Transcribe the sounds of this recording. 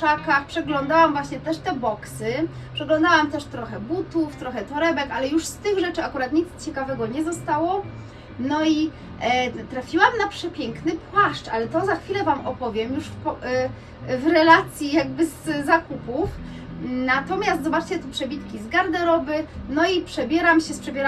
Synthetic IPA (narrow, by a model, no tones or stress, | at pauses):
akaxpʂɛɡlɔnd̪awamvwaɕɲɛt̪ɛʂt̪ɛbɔksɘ | pʂɛɡlɔ̃nd̪awamt̪ɛʂt̪ɾɔxɛbut̪uft̪ɾɔxɛt̪ɔɾɛbɛkalɛjuʂst̪ɘɣʐɛt͡ʂɘakuɾat̪ɲit̪st͡ɕɛkavɛɡɔɲɛzɔst̪awɔ | nɔi | t̪ɾafʲiwamnapʂɛpʲjɛŋknɘpwaʂt͡ʂʔalɛt̪ɔzaxfʲilɛvamɔpɔvʲjɛmjuʂpɔ | vɾɛlat̪sʲjijaɡ̚bɘzzakupuf | nat̪ɔmʲjast̪zɔbat͡ʂt͡ɕɛt̪upʂɛbʲit̪kʲizɡaɾd̪ɛɾɔbɘnɔipʂɛbʲjɛɾamɕɛspʂɛbʲjɛɾa